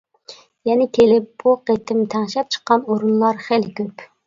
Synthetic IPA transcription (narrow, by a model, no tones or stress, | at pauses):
jɛnɪkʲʰelɪp̚b̥uqet̪ʰɪmt̪ʰæŋʃɛp̚t͡ʃʰə̥qːɑnoɾunlˠɑɾχelkʲøp